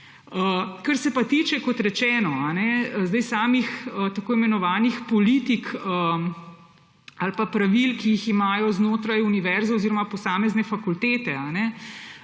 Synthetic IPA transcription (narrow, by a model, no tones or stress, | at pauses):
əkɐɾsɛpat̪it͡ʃɛkɔt̪ɾɛt͡ʃɛːnɔanɛəzd̪ɛjsaːmixət̪akoːimɛnɔʋaːnixpɔliːt̪ikə | alpapɾaʋilkiiximaːjɔznoːt̪ɾajuniʋɛɾzaːziɾɔmapɔsaːmɛznɛfakult̪eːt̪ɛanɛ